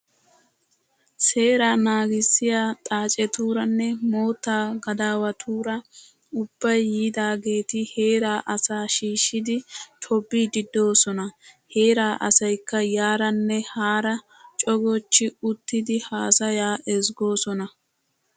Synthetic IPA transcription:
se̞ːɾaːnaːɡɪsːɪjaːt̪ʼaːt͡ʃʼɛt̪uːɾɐnːɛmo̞ːt̪ːaːɡɐd̪aːwɐt̪ʰuːɾɐ | ʊb̥ːɐjːiːd̪aːɡe̞ːt̪ɪhe̞ːɾaːʔɐsaːʃiːʃːɪd̪ɪt̪ʰɔbːiːd̪ɪd̪o̞ːsɔnɐhe̞ːɾaːʔɐsɐjkːɐjaːɾɐnːɛhaːɾɐ | t͡ʃʼɔɡɔt͡ʃːɪʊt̪ːɪd̪ɪhaːsɐjaːʔɛzɡo̞ːsɔnɐ

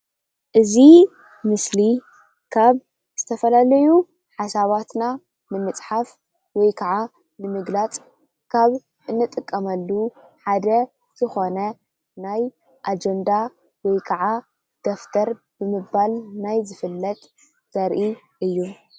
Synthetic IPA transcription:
ʔɨzi | mɨsli | kʰaβ | z̥ɨt̪ʰɐfɐlalɐju | ħasaβat̪na | nɨmɨt͡sʼħaf | wɔjkʰɐʕa | nɨmɨɡlat͡sʼ | kʰaβ | ʔɨnːɨt̪ʼɨkʼːɐmɐlːuħad̪ɐ | z̥ɨxo̞nɐ | naj | ʔad͡ʒɛnd̪a | wɔjkʰɐʕa | d̪̥oft̪ʰɐɾ | b̥ɨmɨbːalnajzɨfɨlːɐt̪ʼ | z̥ɐɾʔi | ʔɨjːu

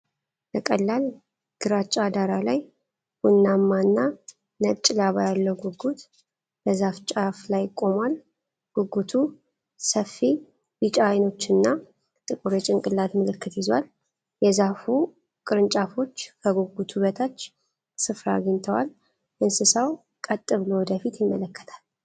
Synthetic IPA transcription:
təkʼəlːal | ɡ̥ɨɾat͡ʃʼad̪aɾalaj | wʊnːamːanːa | nət͡ʃʼɪlaβajalːəwɡuɡut̪ | bəzaft͡ʃʼaflajkʼːo̞mal | ɡ̥uɡut̪ʰu | səfːi | bɨt͡ʃʼaːjno̞t͡ʃːɨnːa | t̪ʼɨkʼuɾjɛt͡ʃʼɪŋkʼɨlːat̪mɨlɨkːɨt̪jɪzwa̰l | jɛzafu | kʼɨɾɨnt͡ʃʼafo̞t͡ʃːkʰəɡuɡut̪ʰuβət̪ʰat͡ʃː | sɨfɾaɡəɲt̪ʰəwal | ʔɨnsɨsaw | kʼət̪ʼːɨβlowɔd̪əfit̪jɪmːələkʰːə̥t̪ʰḁl

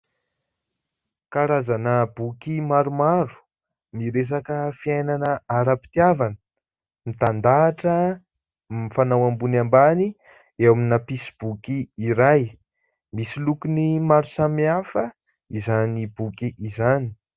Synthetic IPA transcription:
kaɾazanəbukimaɾumaɾu̥ | miɾes̬akəfiajnanəaɾapi̥t̪iavanə̥ | mit̪and̪aːʈ͡ʂə | mifanawambunambani | ewaminapisib̥ukiːɾaj | misilukunimaɾusamiafə | izanibukiʔizani̥

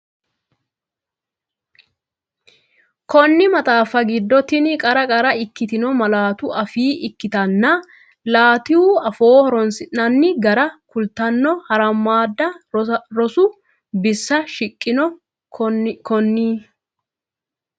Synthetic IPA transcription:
kɔnːɪmɐt̪ʼaːfɐɡɪd̪ːɔt̪ɪnkʼɐɾɐkʼɐɾɐɪkːɪt̪ɪnɔmɐlaːt̪ʊʔɐfiːʔɪkːɪt̪ɐnːɐ | laːt̪ɪhuːɐfo̞ːhɔɾɔnsɪʔːɐnːɪɡɐɾɐkʊlt̪ɐnːɔhɐɾɐmːaːd̪ːɐɾɔsʊ | bɪsːɐʃɪkʼːɪnɔ | kɔnːiː

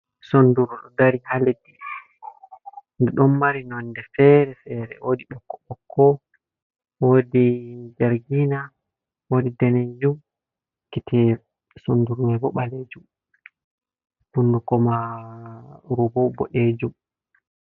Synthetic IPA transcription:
sonduɾuɗɔdaɾihaledi | ndɛɗɔmːaɾinɔndɛfɛɾɛfɛɾɛ̰ʔodiɓɔkːɔ̥ɓɔkʰːɔ | wodid͡ʒaɾɡina | wodidɛned͡ʒum | kiti | sonduɾumɛbɔɓaled͡ʒum | bundukɔma | ɾubɔbɔ̰ʔed͡ʒum

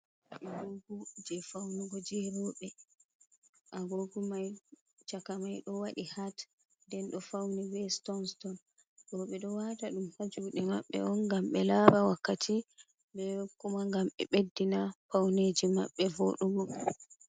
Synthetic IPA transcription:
ʔaɡoɡud͡ʒɛfawnuɡɔd͡ʒɛɾɔɓɛ | ʔaɡoɡumaj | t͡ʃakamajɗɔwaɗihat | ndɛnɗɔfawniwɛstɔnstɔn | ɗɔɓɛɗɔwataɗumhad͡ʒuɗɛmaɓːɛ̰ʔɔnɡamɓɛlabawakːatʰi | bɛkumaŋɡamɓɛ̰ɓedːinafawned͡ʒimaɓːɛvoɗuɡɔ

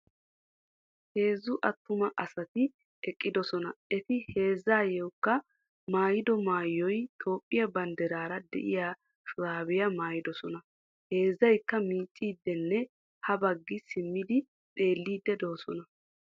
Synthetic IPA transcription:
he̞ːzːʊʔɐt̪ːʊmɐʔɐsɐt̪ɪ | ɛkʼːɪd̪ɔsɔnɐɛt̪ɪhe̞ːzːaːjɛwkːɐ | maːjɪd̪ɔmaːjːɔjt̪o̞ːpʼːɪjɐbɐnd̪ɛɾaːɾɐd̪ɛ̰ʔɪ̰jaː | ʃʊɾaːbɪjɐmaːjɪd̪ɔsɔnɐ | he̞ːzːɐjkːɐmiːt͡ʃʼːiːd̪ːɛnːɛ | hɐbɐɡːɪsɪmːɪd̪ɪ | tʼe̞ːlːiːd̪ːɛd̪ɔɔsɔnɐ

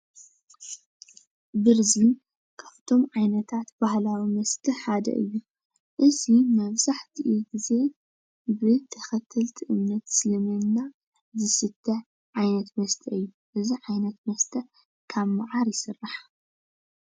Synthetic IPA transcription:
bɨɾzin | kʰaft̪ʰo̞mʕajnɐt̪ʰat̪b̥ahlawimɐst̪ʰiħad̪ɐ̰ʔɨjːu | ʔɨzimɐβzaħt̪ʰiʔiɡize̞ | bɨt̪ʰɐxɐt̪ʰːɐlt̪ʰiʔɨmnɐt̪sɨlɐmɐnːa | zɨsɨt̪ʰːɐ | ʕajnɐt̪mɐst̪ʰɐʔɨjːu | ʔɨziʕajnɐt̪mɐst̪ʰɐ | kʰaβmaʕaɾjɪsɨrːaħ

